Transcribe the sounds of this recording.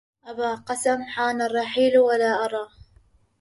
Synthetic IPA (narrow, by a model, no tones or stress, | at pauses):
ʔabaːqɑsamħaːnɑrˤːɑħiːlwalaːʔɑɾˤɑː